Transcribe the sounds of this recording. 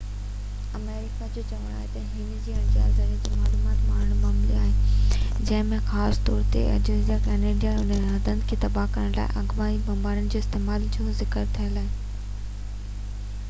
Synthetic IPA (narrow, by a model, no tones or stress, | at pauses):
ɐmeːɾɪkad͡ʑoːt͡ɕɐʋəɽ̃aːɦet̪ɐɦɪnd͡ʑiːɐɽ̃ɪ̃d͡ʑia̰ːzaɾid͡ʑimaːluːmaːt̪maːɳ̤ʊɽ̃maːmliaːɦed͡ʑɐ̃ɦɪ̃mẽxaːst̪ɔːɾt̪ḛɐ̰d͡ʑuzijakɛːneːɖjaʊnɦɐd̪ʱə̃nd̪kʰeːt̪ɐbaɦkɐɾəɽ̃la̰ːɪ̰ʔɐɡʋaːibɐ̃mbaːɪɽʊnɪ̆d͡ʑoːɪst̪eːmaːld͡ʑõzɪkəɾt̪ʰiə̃laːɦe